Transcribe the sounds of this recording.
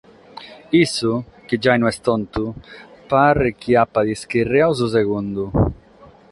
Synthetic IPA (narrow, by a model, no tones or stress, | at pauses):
isːuk̟id͡ʒːajnuɛst̪ɔnt̪upaɾɪk̟iapːad̪isk̟irːeawz̬us̬ɛɣund̪u